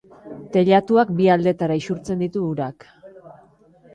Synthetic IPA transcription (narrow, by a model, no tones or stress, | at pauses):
t̪e̞ʎat̪uak̚biald̪e̞t̪aɾaisuɾt͡se̞nd̪it̪uːɾak